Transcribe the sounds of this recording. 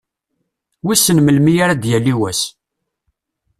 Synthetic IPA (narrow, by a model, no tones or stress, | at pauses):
wisənməlmijaɾad̪jælːiwæs